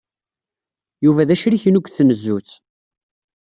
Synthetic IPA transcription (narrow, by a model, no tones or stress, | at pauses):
juvæðæʃɾiçənukʷːθnəzːut͡sː